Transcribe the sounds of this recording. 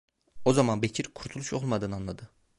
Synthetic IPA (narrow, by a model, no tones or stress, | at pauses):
o̞zɑmɑnbecʰiɾkʰuɾt̪ʰulˠuʃo̞lˠmɑd̪ɯnɯɑnlˠɑd̪ɯ